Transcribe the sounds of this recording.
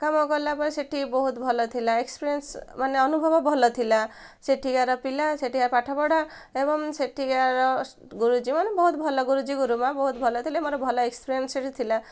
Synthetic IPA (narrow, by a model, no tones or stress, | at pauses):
kamɔkɔɾlapɔiseʈʰibɔɦut̪bʱɔlɔt̪ʰilaekspiɾiensmaneɔnubʱɔbɔbʱɔlɔt̪ʰila | seʈʰiɡaɾɔpilaseʈiɡaɾpaʈʰabɔɽa | ebɔŋseʈʰiɡaɾɔ | ɡuɾud͡ʒimanebɔɦut̪bʱɔlɔɡuɾud͡ʒiɡuɾumabɔɦut̪bʱɔlɔt̪ʰilaemɔɾɔbʱɔlɔekspiɾiensseʈit̪ʰila